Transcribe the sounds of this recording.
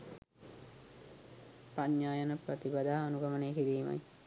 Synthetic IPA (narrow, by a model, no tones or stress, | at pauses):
pɐɲːjaːjənəpɾɐt̪ibɐd̪aːɐnuɡɐməneːkiɾiːmɐ̰j